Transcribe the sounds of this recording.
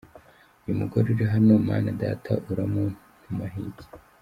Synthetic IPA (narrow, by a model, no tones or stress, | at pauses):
ujumuɡoɾuɾeɦanoma̰ːnada̰ːtʰa̰ʔuɾamo | numaɦḭti̥